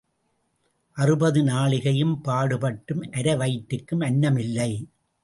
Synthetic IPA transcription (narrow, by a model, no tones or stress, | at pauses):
ʔɐrɯbɐðɯnaːɭɪɣɐjɯmpaːɽɯpɐʈːɯmʔɐɾɐʋɐɪʈːɯkːɯmɐnːɐmɪlːɐɪ